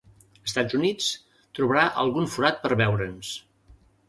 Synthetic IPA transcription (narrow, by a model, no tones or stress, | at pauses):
əst̪ad͡zunit͡s | t̪ɾuβəɾaʔə̰lˠɣunfuɾat̪̚pəɾβɛwɾəns